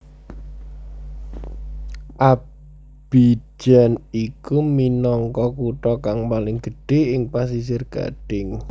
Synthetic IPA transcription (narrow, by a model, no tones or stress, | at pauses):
ʔa | b̥i̥d͡ʒ̥a̤nikuminɔŋkɔkuʈɔkaŋpalɪŋɡ̥ə̤ɖ̥e̤ɪŋpas̬is̬ɪrɡ̥a̰ɖ̥ɪŋ